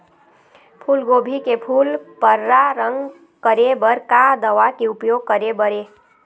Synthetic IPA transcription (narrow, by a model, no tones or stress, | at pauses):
pʰulɡobʱikepʰulpəɾːaɾəŋɡ | kəɾebəɾkad̪əʋakeupjoɡ̚kəɾebəɾe